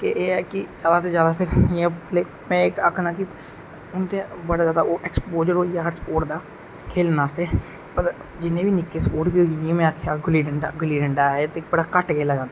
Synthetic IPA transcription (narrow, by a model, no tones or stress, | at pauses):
keʔeːɛːkɪd͡ʒaːd̪aːt̪eːd͡ʒjaːd̪aːpʰɪɾɛleː | mɛ̃ːɪkəkʰnaːkɪ | ʊnt̪ẽːbəɽaːzjaːd̪aːoːʔɛːkspoːd͡ʒəɾoːjaːɾspoːʈd̪aː | kʰeːlnaːst̪eː | pəɾ | d͡ʒɪnẽːbiːnɪkːeːspoːʈbiːojĩmɛ̃ːaːkʰejaːɡəliːɖəɳɖa̰ːɡəliːɖəɳɖaːeːt̪eːkbəɽaːkəʈɡeːlaːd͡ʒãːnd̪ː